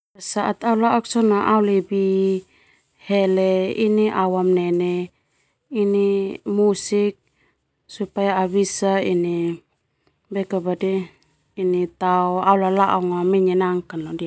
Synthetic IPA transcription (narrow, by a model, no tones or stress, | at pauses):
asaʔat̪aulaʔɔksɔnaʔaulibi | hɛlɛḭniʔawamnɛnɛ | inimusik̚ | supajaːβisaini | bɛkabadɛː | nit̪aɔaulalaʔɔŋamɛɲɛnaŋkanlɔdia